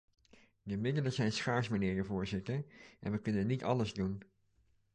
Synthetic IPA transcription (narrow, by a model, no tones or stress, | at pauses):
dəmɪdələzɛjnsχaːɹsmanɪːrəvʊːɹzɪtəɹʔɛ̰nʋəkɵnənːitɑləzdun